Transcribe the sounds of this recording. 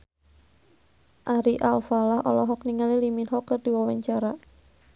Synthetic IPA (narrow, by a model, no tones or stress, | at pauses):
ʔaɾiʔalfalahɔ̰lɔɦɔkniŋaliliminɦɔkːərdiwawaɲt͡ʃaɾa